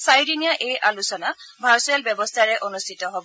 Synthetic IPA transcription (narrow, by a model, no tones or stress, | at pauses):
sajɹinijaʔejʔalusɔnabʱaɹsɛlbɔbɔstʰaɹɛʔonustʰitɔɦobɔ